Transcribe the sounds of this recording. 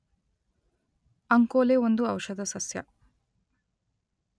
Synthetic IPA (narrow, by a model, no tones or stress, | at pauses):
ɐŋkoːleːond̪uɐwʃɐd̪ɐsɐsjɐ̰